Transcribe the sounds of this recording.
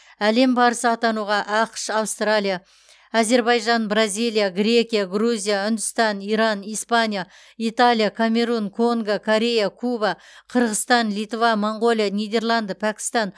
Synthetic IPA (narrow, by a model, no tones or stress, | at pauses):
æle̞mbɑɾəsəɑt̪ɑnuʁɑʔɑqʃɑwst̪ralʲija | aze̞ɾbɑjʒɑnbrazʲijlijaɡɾʲe̞kʲijaɡruzʲijaʏnd̪ʊst̪ɑniɾɑnijspanʲija | it̪alʲˠijakʰamʲe̞ɾunkʰo̞ŋɡakʰoɾʲe̞jakʰubaqʰəɾʁəst̪ɑnlijt̪vamoɴɡo̞lijanʲijd̪e̞rlˠɑnd̪əpʰækʲɪ̥st̪ɑn